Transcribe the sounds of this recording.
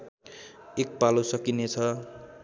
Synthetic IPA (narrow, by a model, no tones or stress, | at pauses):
ek̚palosʌkinet͡sʰʌ